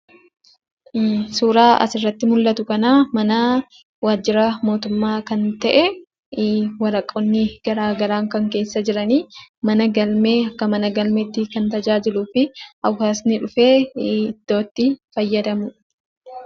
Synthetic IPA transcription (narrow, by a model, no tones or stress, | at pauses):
suːɾaːʔɐ̰sɪrːɐt̪ːɪmʊlːɐt̪ʊkɐnaːmɐna | waːd͡ʒːɪɾɐmo̞ːt̪ʊmːaːkɐnt̪ɐʔɛ | wɐɾɐkʼːɔnːɪɡ̥ɐɾaːɡɐɾaːŋkɐŋke̞ːsːɐd͡ʒɪɾɐniːmɐnɐɡɐlmeːɐkːɐmɐnɐɡɐlmet̪ːɪkɐnt̪ɐd͡ʒaːd͡ʒɪluːfɪʔɐwhaːsnɪᶑʊfe̞ːɪd̪̥ːo̞ːt̪ːɪfɐjːɐd̪ɐmʊ